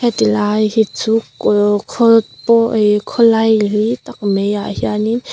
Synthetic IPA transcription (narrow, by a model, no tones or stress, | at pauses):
ɛt̪ilaːjhit͡sukkʰɔtpɔʔjkʰɔlɐjlit̪ak̚mejaʔhianin